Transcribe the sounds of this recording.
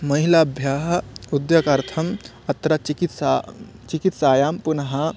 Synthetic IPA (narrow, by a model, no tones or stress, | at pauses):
mɐɦilabʱjaːɦud̪jɐkɐɾt̪ʰɐm | ɐt̪ɾɐt͡ʃikit̪sa | t͡ʃikit̪saːjaːmpunɦɐ